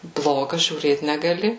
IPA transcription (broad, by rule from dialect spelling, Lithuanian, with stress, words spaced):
ˈblˠoːɡɐ ʒʲuːˈrʲeːt nʲɛɡɐˈlʲɪ